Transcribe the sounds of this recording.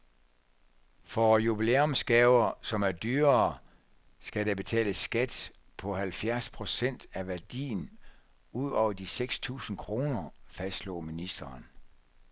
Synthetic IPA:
fɒjub̥ile̝ːɔmsɡ̥ɛːʊɐsɒ̽mæɐd̥yːɐ | sɡ̥æd̥æb̥e̝t͡sʰɛ̰ːləsɡ̥æd̥ | pʰɒ̽hælfjæɐspʰʁo̝sen̰d̥æʋæɐd̥ḭːn̩ | uð̰ˠɒʊ̰ɐd̥iseɡ̥st͡sʰṵːsn̩kʰʁo̝ːnɐfæsd̥lo̰ːminisd̥ɐːn

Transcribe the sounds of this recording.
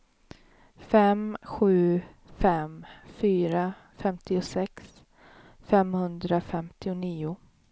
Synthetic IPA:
fɛmɧʉ̟ː | fɛmfyːɾa | fɛmt̪ʰɪʊsɛks | fɛmhɵnd̪ɾafɛmt̪ɪʊniːʊ

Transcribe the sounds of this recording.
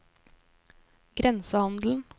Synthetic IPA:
ɡ̥ɾɛnsəhɑnd̪l̩n̩

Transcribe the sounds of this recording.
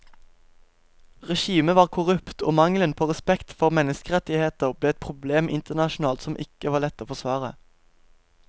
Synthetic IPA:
ʁɛʃiːməʋɑːʁkʰʊʁʉpt̪o̰ːmɑŋlənpʰoːʁɛspɛkt̪fɔʁmɛnəskəʁɛt̪ɪheːt̪əʁbleːɛt̪̚pʰʁʊbleːmʔɪnt̪əʁnɑʃʊn̩ɑːlt̪sɔmʔɪkəʋɑːʁlɛt̪ːoːfɔʁsʋɑːʁə

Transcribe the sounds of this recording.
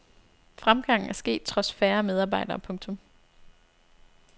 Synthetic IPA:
fʁamɡ̥ɑ̈ŋ̰n̩æɐsɡ̥e̝̰ːd̥̚t͡sʰʁɒ̽sfæːɐmeðˠɑːb̥ɑ̈ɪ̰d̥ɐːpʰɔ̽ŋt͡sʰɔ̽m

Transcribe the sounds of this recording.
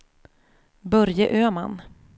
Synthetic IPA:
bœɾjəʔøːman

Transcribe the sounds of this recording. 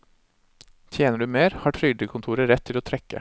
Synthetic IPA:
t̪ʰjeːnəɖʉːmeːɾhɑːʈʰɾʏd̪əkʰʊnt̪ʰuːɾəɾɛt̪ʰːɪloːt̪ʰɾɛkə̰

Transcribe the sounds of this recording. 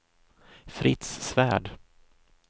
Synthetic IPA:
fɾɪt̪sːvæːɖ

